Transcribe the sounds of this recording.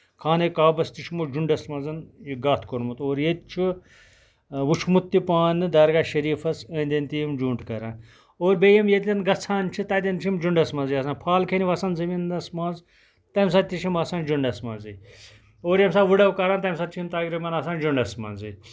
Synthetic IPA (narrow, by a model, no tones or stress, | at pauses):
kʰaːnekaːbɐst̪it͡ʃʰimod͡ʒuɳɖɐsmɐ̃nzɐnɡaːt̪ʰkoɾmut̪oːɾjet̪t͡ʃʰi | ʋut͡ʃʰmut̪ːipaːnɨd̪ɐɾɡaːʃɐɾiːfɐsə̃ːnʲd̪ʲɐnt̪ijmd͡ʒuːɳʈkɐɾãn | oːɾbeːjɐmjet̪ʲlʲɐnɡɐt͡sʰãːnt͡ʃʰit̪ɐːt̪ʲɐnt͡ʃʰimd͡ʒuɳɖɐsmɐ̃nzijɐsãːnpʰaːlkʰeniʋɐsãːnzɐminɐsmãːnz | t̪ɐms̬ɐt̪iʃʰimɐsãːnd͡ʒuɳɖɐsmɐ̰̃ːnzi | oːɾjɐmsaːʋɨɽɐwkɐɾaːnt̪ɐms̬ɐt͡ʃʰiimt̪aːɡɾɐmɐnɐsãːnd͡ʒuɳɖɐsmɐ̰ːnzi